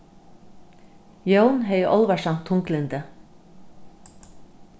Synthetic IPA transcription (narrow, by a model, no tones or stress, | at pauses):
jownɦɛjəʔɔlʋaʃɑm̥t̪ʰːʊŋklɪnd̪ə